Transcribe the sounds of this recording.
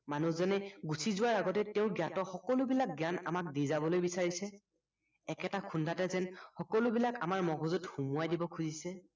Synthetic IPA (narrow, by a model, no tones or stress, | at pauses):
manuzɔnɛɡusʰizʊwaɹaɡɔtɛtɛʊ̃ɡjatɔxɔkɔlʊbilak̚ɡjana̰mak̚dizabɔlojbisaɹisɛ | ɛkɛtakʰundʱatɛzɛnxɔkɔlʊbilaka̰maɹmɔɡʱɔzutxumʊajdibɔkʰuzisɛ